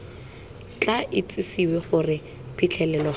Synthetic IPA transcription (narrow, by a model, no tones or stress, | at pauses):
t͡ɬʼaʔɪt͡sʼɪsiweχʊrɪ | pʰit͡ɬʰɛlɛlɔ